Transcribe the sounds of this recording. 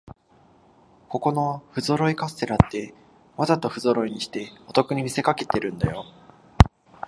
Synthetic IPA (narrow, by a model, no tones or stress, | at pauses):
ko̞ko̞no̞ɸɯ̟zo̞ɾo̞ikasɨ̥t̪e̞ɾat̪ːe̞ | mazat̪o̞ɸɯ̟zo̞ɾo̞iɲ̟iɕi̥t̪e̞o̞t̪o̞kɯ̟ɲ̟imʲise̞kake̞t̪e̞ɾɯ̟̃nd̪ajo̞